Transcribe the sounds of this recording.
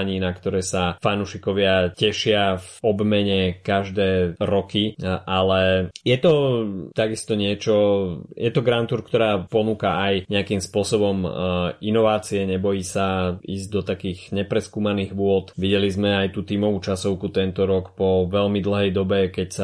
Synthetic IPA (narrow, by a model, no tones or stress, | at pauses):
ɲiːnakt̪ɔɾɛːsafanuːʃikɔʋɪacɛʃɪafɔbmɛɲɛkaʒd̪ɛːɾɔkiʔalɛjɛt̪ɔt̪aɡist̪ɔɲɪɛt͡ʃɔjʔɛt̪ɔɡɾant̪uɾkt̪ɔɾaːpɔnuːkaʔajɲɛakimspʊɔsɔbɔminɔʋaːt͡siɛɲɛbɔjiːsaḭːzɟd̪ɔt̪akiːɣɲɛpɾɛskuːmaniːɣʋʊɔt̪ʋiɟɛlizmɛajt̪uːt̪iːmɔʋut͡ʃasɔʊkut̪ɛnt̪ɔɾɔkpɔʋɛlmid̪l̩ˠɦɛjd̪ɔbɛkɛcsa